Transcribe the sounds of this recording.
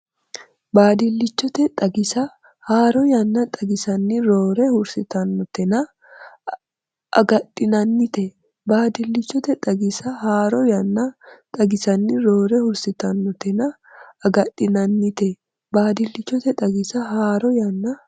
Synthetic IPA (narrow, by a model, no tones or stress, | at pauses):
baːd̪ɪlːɪt͡ʃːɔt̪ɛt̪ʼɐɡɪsɐ | haːɾɔjɐnːɐt̪ʼɐɡɪsɐnːɪɾoːɾɛhʊɾsɪt̪ɐnːɔt̪ɛnɐ | ʔɐ̰ɡɐtʼːɪnɐnːɪt̪ɛ | baːd̪ɪlːɪt͡ʃːɔt̪ɛt̪ʼɐɡɪsɐhaːɾɔjɐnːɐt̪ʼɐɡɪsɐnːɪɾoːɾɛhʊɾsɪt̪ɐnːɔt̪ɛnɐ | ɐɡɐtːɪnɐnːɪt̪ɛ | baːd̪ɪlːɪt͡ʃːɔt̪ɛt̪ʼɐɡɪsɐhaːɾɔjɐnːɐ